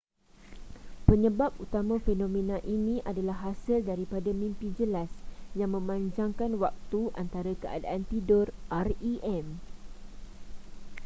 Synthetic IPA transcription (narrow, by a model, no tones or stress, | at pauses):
pəɲə̃bap̚ut̪amãfenõmẽnãʔinĩʔadalaɦːasəldaɾipadamĩmpid͡ʒəlasjaŋmə̃mãɲd͡ʒaŋkanwak̚t̪uʔant̪aɾakəa̰daʔant̪idɔrʔariʔɛm